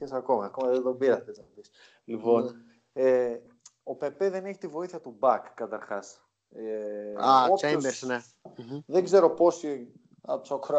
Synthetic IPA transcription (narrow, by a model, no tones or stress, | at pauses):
esɐko̞mɐːko̞mɐðeðo̞biɾɐfeznɐopis | lipo̞n | e | o̞pe̞pe̞ðene̞çi̥t̪ivo̞iθiɐt̪ubɐkːɐt̪ɐɾxɐs | aot͡ʃembeɾsne | ðeɡze̞ɾo̞po̞si | ɐsokɾ